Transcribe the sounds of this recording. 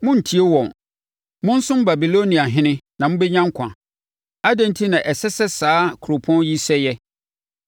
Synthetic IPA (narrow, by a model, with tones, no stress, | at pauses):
mʊ̃˦n̩˨tʰi˨˦e˦wɔ̃˨n | mʊ̃˦n̩˦sʊ̃˦m˦ba˨bi˨lo˦nĩ˨a˨ɦɪ̃˦nɪ̃˦nã˨mʊ̃˦bɛ˦ɲã˦ŋ˦kʷʰã̰˨ | a˦dɛ̃˦n˦tʰi˦nã˨ʔɛ˨sɛ˦sɛ˦saː˦kʰʊ˨ɾo˨pʰɔ̃˦n˦ji˦sɛ˦jɛ˦